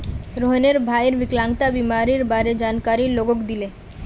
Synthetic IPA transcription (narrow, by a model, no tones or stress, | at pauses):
ɾoɦeneɾbʱaeɾbiklaŋt̪abimaɾiɾbaɾed͡ʑankaɾiloɡokd̪ile